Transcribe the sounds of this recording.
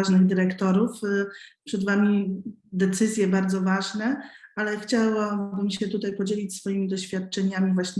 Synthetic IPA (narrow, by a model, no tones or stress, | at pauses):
ʐnɘɣd̪ɘɾɛkt̪ɔɾufpʂɛd̪vamʲi | d̪ɛt̪sɘzʲjɛbaɾd̪zɔvaʐnɛalɛxt͡ɕawabɘmɕɛt̪ut̪ajpɔd͡ʑelʲit͡ɕʲsfɔjimʲid̪ɔɕfʲjat̪̚t͡ʂɛɲamʲivwaɕɲ